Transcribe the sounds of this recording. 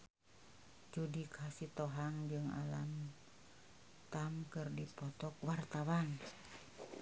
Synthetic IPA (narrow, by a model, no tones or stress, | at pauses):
d͡ʒudikʰasit̪oɦaŋd͡ʒɨŋa̰lam | t̪amkɨrdipɔt̪ɔkwart̪awan